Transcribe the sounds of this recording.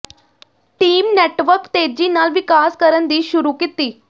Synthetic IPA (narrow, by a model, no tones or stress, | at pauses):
ʈiːmneʈʋəɾkt̪ed͡ʑiːnalʋikaskəɾənd̪iːɕuɾuːkit̪ːiː